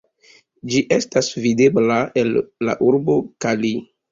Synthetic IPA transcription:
d͡ʒiʔe̞stasvide̞blae̞lːa̰ʔuɾbo̞kali

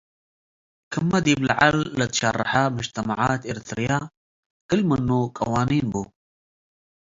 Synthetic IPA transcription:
kʰəmːad̪iblaʕa̰lːat̪ʃa̰rˤːɑ̰ħamʊʒt̪amaʕaːt̪ɪɾt̪ɾija | ʔəlmənːukʼa̰waːniːnbu

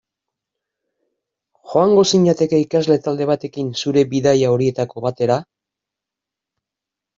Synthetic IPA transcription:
xo̞aŋɡo̞siɲat̪e̞ke̞ikazle̞t̪ald̪e̞β̞at̪e̞kinsuɾe̞biðajao̞ɾie̞t̪ako̞βat̪e̞ɾa

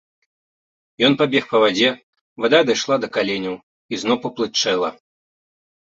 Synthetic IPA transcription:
jɔnpabʲɛxpɐvad͡zʲɛ | vad̪ad̪ajʂlˠad̪ɐkalʲenʲɐw | iznɔwpɐplˠɨt͡ʂɛlˠɐ

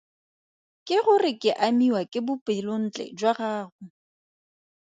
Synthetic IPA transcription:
kʼɪɣʊrɪkʼɪʔamiwakʼɪbʊpʼɪlʊn̩t͡ɬʼɛ̰d͡ʒwaɣaːɣʊ

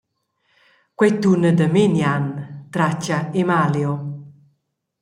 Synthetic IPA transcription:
kwet̪unəd̪əmenjant̪ɾat͡ʃaemaljo

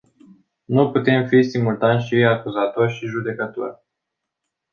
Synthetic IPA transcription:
nuput̪e̞mfisimult̪anʃiakuzat̪o̞rʲʃiʒud̪e̞kət̪o̞̰rʲ

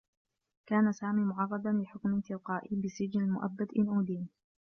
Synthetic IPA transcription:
kaːnasaːmiːmʊʕɑrˤːɑd̪anlɪħʊkmɪt̪ɪqɑːʔibɪsɪd͡ʒnalmʊʔa̰bːad̪ʔɪnʔuːd̪iːn

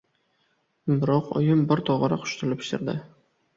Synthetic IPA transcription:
bɪɾɒqɒ̰jɪmbɪɾt̪ʰɒʁɑɾaqʰʊ̥ʃt̪ʊlɪpɪ̥ʃt̪ɪ̰ɾd̪ɪ̰

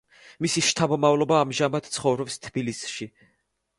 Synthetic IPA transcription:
misiʃt̪ʰabɔmavlˠɔbaːmʒamat̪t̪sʰχɔvɾɔpst̪ʰbilisʃi

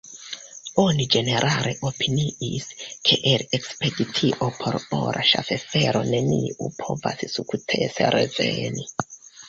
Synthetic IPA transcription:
o̞nid͡ʒe̞ne̞ɾʔale̞ʔopʰiniiskʰe̞ʔeɾekspeditʰiʔopʰo̞ɾoɾʔaʃa̰fe̞fe̞ɾo̞ne̞niʔupʰo̞va̰ssukutʰeseɾʔeveni

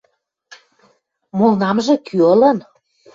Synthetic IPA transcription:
molnɑmʒɤ̆kʰyɤ̆lɤ̆n

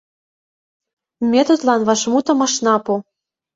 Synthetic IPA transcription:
mʲet̪ot̪lˠɑnβɑʃmut̪ɤ̆mɤ̆ʃnɑpu

